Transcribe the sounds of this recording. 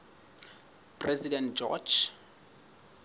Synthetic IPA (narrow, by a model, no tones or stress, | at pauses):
pʼrɛzidɛntd͡ʒɔ̰d͡ʒ